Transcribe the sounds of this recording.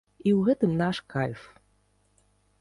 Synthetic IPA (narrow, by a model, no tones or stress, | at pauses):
iuɣɛt̪ɨmnaʃkalʲf